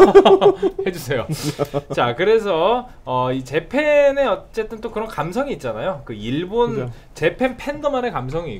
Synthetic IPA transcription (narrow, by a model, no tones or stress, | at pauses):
he̞d͡ʑusʰe̞jot͡ɕakɯɾe̞sʰʌ | ʌit͡ɕe̞pʰe̞neʌt͡ɕ͈e̞t͈ɯnt͈okɯɾʌnkamsʰʌŋiːt̚t͡ɕ͈anajokɯiɭbon | t͡ɕe̞pʰe̞npʰe̞ndʌmanekams̬ʰʌŋiː